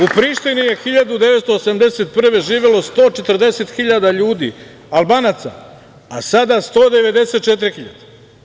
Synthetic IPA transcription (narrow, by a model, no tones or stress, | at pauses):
upɾiːʃt̪inije̞xiʎad̪ud̪e̞ʋet̪st̪oːsamd̪eset̪̚pr̩ʋe̞ʒiːʋelo̞st̪o̞ːt͡ʃet̪r̩d̪e̞set̪xiʎad̪aʎuːd̪ḭ | alˠbanat̪sa̰ | asad̪ast̪o̞ːd̪e̞ʋe̞d̪e̞set̪̚t͡ʃet̪ɾixiʎa̰d̪̥e̥